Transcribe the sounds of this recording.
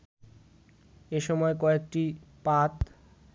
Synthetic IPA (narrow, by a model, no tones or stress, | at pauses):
eʃɔmɔekɔek̚ʈipat̪